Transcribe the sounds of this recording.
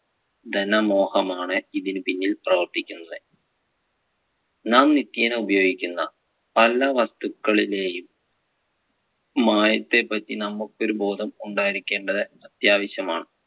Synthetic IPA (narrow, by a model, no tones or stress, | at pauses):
d̪ɐnɐmo̞ːhɐmaːɳɨiðinɨpinːilprɐʋɐrt̪ikʲːunːɐðɨ | naːmnit̪ːjɐneubɐjo̞ːɡikʲːunːɐ | pɐlːɐʋɐst̪ukːɐɭile̞ːjum | aːjɐt̪ːe̞pːɐtːinɐmːukːo̞ɾubo̞ːd̪ʱɐmuɳɖaːjiɾikʲːe̞ːɳɖɐðɨɐt̪jaːʋɐɕjɐma̰ːɳɨ